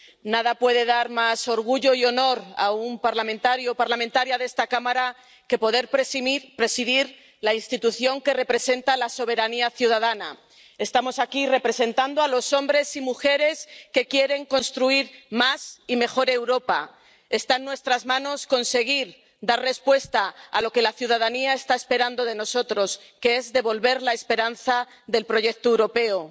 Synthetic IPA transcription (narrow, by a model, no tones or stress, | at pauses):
naðapwe̞ð̞e̞ð̞aɾmaso̞ɾɣuʝo̞io̞no̞ɾa̰umpaɾlamẽnt̪aɾjopaɾlament̪aɾjaðest̪akamaɾa | ke̞po̞ðe̞ɾppɾe̞siðiɾ | lainst̪it̪uθjo̞ŋke̞re̞pɾe̞se̞nt̪alaso̞β̞e̞ɾaniaθjuðað̞ana | e̞st̪amo̞sakire̞pɾe̞se̞nt̪and̪oalo̞so̞mbɾe̞simuxe̞ɾe̞ske̞kje̞ɾe̞ŋko̞nst̪ɾuiɾmasime̞xo̞ɾe̞wɾo̞pa | e̞st̪aenːwe̞st̪ɾazmãno̞sko̞nse̞ɣ̞iɾ | d̪aɾre̞spwe̞st̪aːlo̞ke̞laθjuð̞að̞aniae̞st̪aespe̞ɾand̪o̞ð̞e̞no̞so̞t̪ɾo̞s | ke̞e̞zðe̞βo̞lβe̞ɾlae̞spe̞ɾanθa | ðe̞lpɾo̞ʝe̞k̚t̪oewɾo̞pe̞o